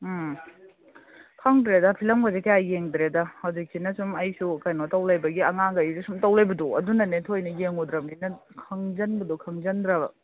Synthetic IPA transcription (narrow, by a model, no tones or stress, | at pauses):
kʰɐŋdɾedɐpʰilɐmɡɐzekɐjajeŋdɾedɐhɐwd͡ʒik̚sinɐsumɐjsukɐjnotɐwlɐjbɐɡiɐŋaŋɡɐjsesumtɐwlajbɐduɐ̰dunɐnetʰojnɐjeŋudɾɐminɐ | kʰɐŋzɐnbɐdukʰɐŋzɐndɾɐbɐ̰